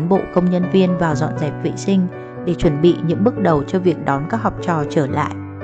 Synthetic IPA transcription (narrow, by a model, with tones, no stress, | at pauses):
ŋɓo̰˧˨kə˧wŋ͡mɲə˧nvi˧ənvaː˨˩wzɔ̰˧˨nzɛ˨˩p̚vḭ˧˨sï˧ŋ̟ | ɗe˧˩t͡ɕwə˧˩nɓḭ˧˨ɲɨ̰˧˥ŋɓɨ˦˥k̚ɗə˨˩wt͡ɕɔ˧vi˨˩ək̚ɗɔ˨˦nkaː˦˥k̚hɔ˨˩wk͡p̚t͡ɕɔ˨˩t͡ɕəː˧˩la̰ː˧˨jʔ